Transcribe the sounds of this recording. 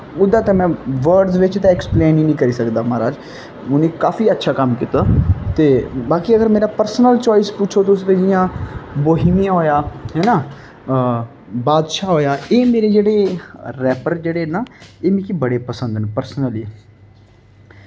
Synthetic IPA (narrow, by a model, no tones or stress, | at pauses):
ʊd̪aːt̪ẽmɛ̃ːʋəɾɖzʋɪt͡ʃt̪ãɛkspleːniːnĩːkəɾiːsəkd̪aːmaːɾaːd͡ʒ | ʊniːkaːfiːətːʃʰaːkəmkiːt̪aːt̪eːbaːkiːəɡəɾmeːɾaːpəɾsənəlt͡ʃɔːɪspʊːt͡ʃʰoːt̪ʊs̬ʋed͡ʒɪjãːboːɦimijãːɦoːjaːɦɛːnaː | baːd̪ʃaːɦoːjaːeːmeːɾeːd͡ʒeːɽeːɾɛːpəɾd͡ʒeːɽeːnaːeːmĩːkibəɽeːpəsə̃nd̪npəɾsnəli